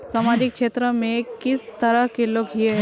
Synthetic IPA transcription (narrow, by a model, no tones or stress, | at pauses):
samad͡ʑikʂet̪ɾəmẽkist̪əɾəɦkelokɦie